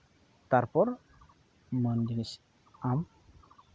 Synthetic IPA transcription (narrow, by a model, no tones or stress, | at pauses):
t̪aɾpɔɾ | mənd̪inis | am